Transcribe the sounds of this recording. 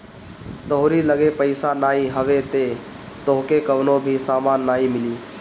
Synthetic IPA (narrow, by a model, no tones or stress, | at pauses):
t̪oɦʊɾiləɡepəɪsanaːiɦəʋet̪e | t̪oɦkekəʋnobʱisaːmanːaːimɪliː